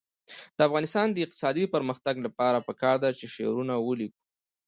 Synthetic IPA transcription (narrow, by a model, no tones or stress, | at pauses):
d̪̥əafɣɑnɪst̪ɑnd̪əɪq̚t̪ɪ̥sɑd̪ipəɾməxt̪aɡlapɑɾapəkɑɾd̪at͡ʃeʃḛɾunawəliku̥